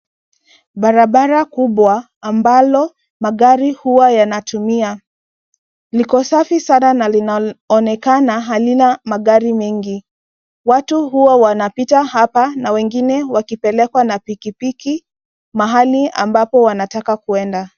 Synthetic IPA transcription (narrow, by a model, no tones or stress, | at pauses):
ɓaɾaɓaɾakuɓwaː | mbalɔ | maɠaɾihuwajanatumia | likɔsafisananalinaɔnɛkanaɦalinamaɠaɾimɛŋɡi | watuhuwawanapitahapanawɛŋɡinɛwakipɛlɛkwanapikipiki | maɦalia̰mbapɔwanatakakuɛnda